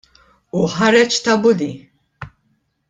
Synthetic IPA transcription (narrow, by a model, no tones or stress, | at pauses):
uħɐɾɛt͡ʃt̪ɐbʊd̪i